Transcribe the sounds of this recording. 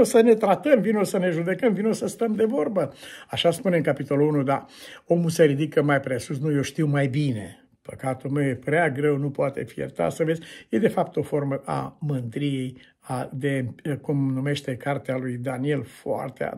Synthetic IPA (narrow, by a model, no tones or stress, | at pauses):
osəne̞t̪ɾat̪əmvinosəne̞ʒud̪e̞kəmvinosəst̪əmd̪e̞vo̞rbəaʃaspuneɨŋkapit̪o̞luunud̪ao̞museɾid̪ikəmajpɾe̞susnujoʃt̪iwmajbine̞̰ | pəkat̪ulmewjepɾeaɡɾe̞wnupoat̪e̞̰fijḛrt̪a̰səve̞zʲje̞d̪e̞fap̚t̪o̞fo̞rməʔa̰mɨnd̪ɾijej | ad̪e̞kumnume̞ʃt̪e̞kart̪ealujd̪anie̞lfoa̰rt̪ea̰